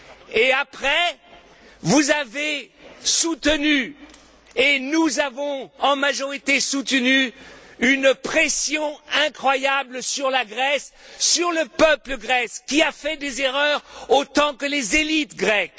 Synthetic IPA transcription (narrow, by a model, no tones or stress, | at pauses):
eapχɛ | vuzavesut̪əny | enuzavɔ̃ɑ̃maʒɔʁit̪esut̪nyynpχɛsjɔ̃ɛ̃kχwajabləsyʁlaɡʁɛsːyʁləpœpləɡʁɛskʲiafɛd̪ezeʁœʁot̪ɑ̃kəlezelit̪ɡʁɛk